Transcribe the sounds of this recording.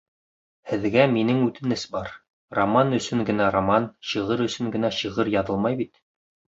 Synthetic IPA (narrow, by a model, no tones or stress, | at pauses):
hɘ̆ðɡæminɘŋʉt̪ɘ̆nɘsbɑɾ | romanɵ̆sɵŋɡɘ̆næɾomɑnɕɤ̆ʁɤɾɵ̆sɵŋɡɘ̆næɕɤʁɤɾjɑðɤlˠmɑjbit̪